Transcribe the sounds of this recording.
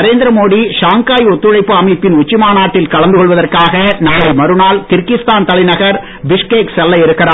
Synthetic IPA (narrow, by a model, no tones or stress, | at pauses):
ɐɾeːnd̪ɪɾɐmoːɽiʂaːŋkaːjɔt̪ːɯɻɐɪpːɯɐmɐɪpːɪnʊt͡ʃːɪmaːnaːʈːɪlkɐɭɐnd̪ɯkɔɭʋɐðɐrkaːɣɐnaːɭɐɪmɐɾɯnaːlkɪɾkɪst̪aːnt̪ɐlɐɪnɐɣɐɾ | ʋɪʂkeːksɛlːɐɪɛɾɯkːɪraː